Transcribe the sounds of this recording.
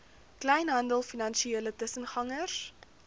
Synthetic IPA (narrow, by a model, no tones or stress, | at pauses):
klɛjnɦɐndəlˠfinɐnʃieːlətəsənχɐŋəs